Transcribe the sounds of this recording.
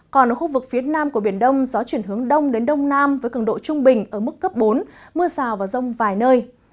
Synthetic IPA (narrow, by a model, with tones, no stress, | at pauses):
kɔ˨˩nʔə˨˩xu˧vɨ˨˩k̚fi˨˦ənaː˧mku˧˩əɓi˧˩ənɗə˧wŋ͡mzɔ˨˦t͡ɕwi˧˩ənɦɨ˨˦əŋɗə˧wŋ͡mɗe˨˦nɗə˧wŋ͡mnaː˧mvəː˨˦jkɨ˧˩ŋɗo̰˧˨t͡ɕʊ˧ŋ͡mɓï˨˩ŋ̟ʔəː˧˩mɨ˦˥kːə˦˥p̚ɓo˨˦nmɨ˧əsaː˨˩wvaː˨˩wzə˧wŋ͡mvaː˨˩jnəː˧j